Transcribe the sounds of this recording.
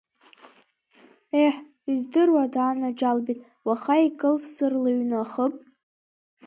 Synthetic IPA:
eħ | izdɨrwadaːnad͡ʒalbitʼ | waχaikʼɨlssɨrlɨɥnaχəpʼ

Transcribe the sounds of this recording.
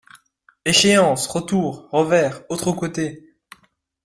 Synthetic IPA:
eʃeɑ̃sʁət̪uːʁʁəvɛʁot̪χəkot̪e

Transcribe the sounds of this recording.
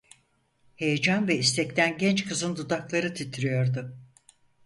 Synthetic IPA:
he̞jed͡ʒanvɛist̪ʰɛc̚t̪ʰænɟɛnt͡ʃkʰɯzɯnd̪ud̪aklˠaɾɯt̪ʰit̪ʰiɾijo̞ɾd̪ʊ

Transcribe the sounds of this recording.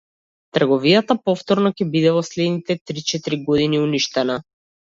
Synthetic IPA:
t̪ərɡɔvijat̪apɔft̪ɔɾnɔcɛbid̪ɛvɔslɛd̪nit̪ɛt̪ɾit͡ʃɛt̪iɾiɡɔd̪iniuniʃt̪ɛna

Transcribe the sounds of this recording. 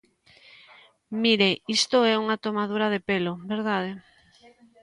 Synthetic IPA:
miɾeist̪oɛuŋat̪omað̞uɾaðepelobeɾðað̞e

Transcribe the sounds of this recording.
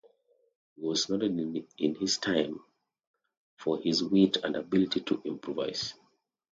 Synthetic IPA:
hiwɔznɔɾədɪ̃nhiz̥tʰãɪ̃m | fɔhizwetʰə̰̃ndabilitʰitʰṵʔĩmpʰɹuva̰ɪz̥

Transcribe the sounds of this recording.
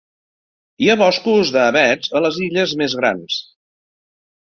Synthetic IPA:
iaβɔskuzðəːβɛd͡zələziʎəzmezɣɾa̰ns

